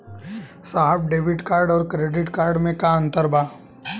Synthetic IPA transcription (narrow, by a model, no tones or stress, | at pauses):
saɦəb̚ɖeːʋɪʈkaːɾɖɔːɾkɾeːɖɪʈkaːɾɖmẽkaə̃nt̪əɾbaː